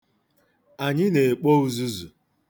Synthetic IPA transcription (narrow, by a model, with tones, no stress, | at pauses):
a˨ɲɪ˦ne˨k͡po˦u˦zu˦zu˨